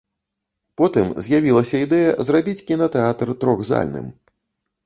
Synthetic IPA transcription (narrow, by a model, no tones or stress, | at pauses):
pɔt̪ɨmzʲjavʲilˠɐsʲɐid̪ɛjɐ̰zrabʲit͡sʲkʲinɐt̪ɛat̪rt̪ɾɔɣza̰lʲnɨ̰m